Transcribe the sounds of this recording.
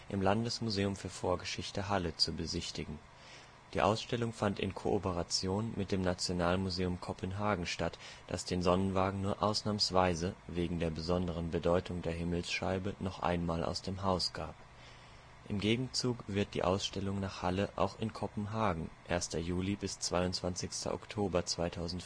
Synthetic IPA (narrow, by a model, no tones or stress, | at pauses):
ʔɪmlandəsmuzeːʊmfyːɐfoːɐɡəʃɪçtəɦalət͡subəzɪçtɪɡŋ̩ | d̥iːʔa̰ʊsʃtɛlʊŋfantɪ̰nkʰo̰ʔopəʁat͡sjoːnmɪt̚d̥eːmnat͡sjonaːlmuzeːʊmkʰɔpʰənɦaːɡŋ̩ʃtatd̥a̰sd̥eːnzɔnənvaːɡŋ̩nuːɐʔaʊsnaːmsv̥aɪzəveːɡŋ̩deːɐbəzɔndəʁ̞ənbədɔʏtʰʊŋdeːɐɦɪml̩sʃaɪbənɔχʔa̰ɪnmaːlʔa̰ʊsd̥eːmɦaʊsɡ̥aːp̚ | ʔɪmɡeːɡŋ̩t͡suːkv̥ɪɐt̚d̥ḭːʔa̰ʊsʃtɛlʊŋnaːχhaləʔa̰ʊxɪnkʰɔpn̩ɦaːɡŋ̩ʔeːɐstɐjuːlibɪst͡sv̥aɪʊntt͡sv̥ant͡sɪçstʰɐ̰ʔɔ̰ktʰoːbɐt͡sv̥aɪtʰaʊzn̩t